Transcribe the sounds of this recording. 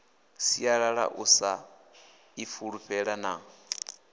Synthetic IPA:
siaɺaɺa̰ʔusa | ifuɺuɸɛɺana

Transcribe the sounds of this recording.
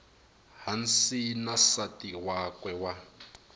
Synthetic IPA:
ɦansinasatiwakwɛwa

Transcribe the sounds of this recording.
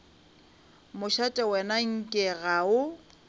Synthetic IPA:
mʊʃatʼɛwɛnaŋ̩kʼɪɣaʊ

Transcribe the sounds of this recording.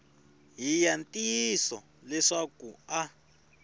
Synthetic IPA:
ɦijantʼisɔ | lɛʂakua

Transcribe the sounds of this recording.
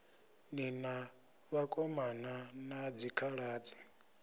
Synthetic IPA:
nina | βakʼɔmananad͡zikʰaɺaːt͡sʼi̥

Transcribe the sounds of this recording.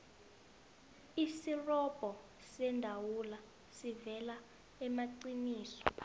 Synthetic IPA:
isirɔb̥ʱɔ | sɛndʱawula | sivɛla | ɛmaǀiniːsɔ̥

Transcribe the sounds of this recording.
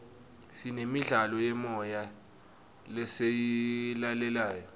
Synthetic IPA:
sinemiɮalɔjɛmɔja | lɛsejilalɛlaːjɔ

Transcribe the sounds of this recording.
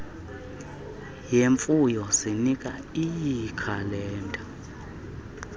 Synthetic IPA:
jeɱfujɔsinikʼaijikʰalɛːntʼa

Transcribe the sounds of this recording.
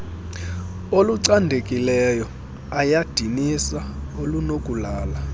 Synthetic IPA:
oluǀandʱekʼilɛjɔ | ajad̥ʱinisaolunokʼulaːla

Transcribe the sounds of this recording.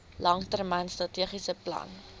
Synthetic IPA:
lɐŋtərmɐnstrɐtiəχisəplɐ̰n

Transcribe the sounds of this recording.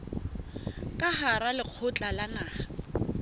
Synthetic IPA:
kʼaɦaɾalɪq͡χʰʊt͡ɬʼalanaːha

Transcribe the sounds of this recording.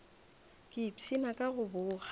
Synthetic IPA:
kʼɪpsinakʼaɣʊbʊːɣa

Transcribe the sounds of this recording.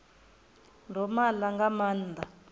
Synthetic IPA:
ndɔmalaŋɡamaːnd̪ʱa

